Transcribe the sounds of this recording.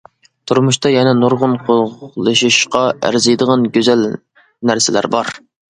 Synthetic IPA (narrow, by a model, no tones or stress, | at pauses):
t̪ʰuɾmuʃt̪ʰɑjɛnɛnoɾʁʊnqʰolˠlˠɨʃiʃqɑʔæ̰ɾzɨjd̪əʁɑnɡʲøzæl | næɾsɪlæ̰ɾbɑɾ